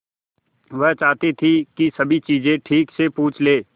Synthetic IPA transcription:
ʋɛɦt͡ʃaːt̪et̪ʰikisɐbʱit͡ʃiːzẽʈʰiːksepuːt͡ʃʰleː

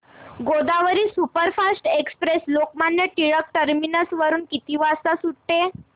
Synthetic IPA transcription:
ɡod̪aʋəɾiːsupəɾfasʈekspɾeslok̚manjəʈiɭək̚ʈəɾminəsʋəɾuːnkit̪iʋast̪asuɽʈe

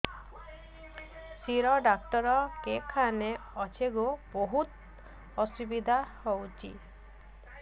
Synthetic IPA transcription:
siɾɔɖak̚ʈɔɾɔkekʰaneɔt͡ʃʰeɡoboɦut̪ | ɔsubid̪ʱahowt͡ʃʰḭ

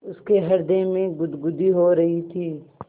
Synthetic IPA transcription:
ʊskeɦɐɾd̪emẽɡʊd̪ɡʊd̪iɦoɾɐɦit̪ʰiː

